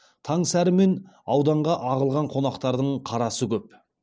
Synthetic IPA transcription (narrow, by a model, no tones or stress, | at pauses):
t̪ʰɑɴsæɾɪme̞nɑwd̪ɑɴʁɑʔɑʁəlˠʁɑɴqʰo̞nɑqt̪ɑɾd̪əɴqʰɑɾɑsəkʲʰɵp̚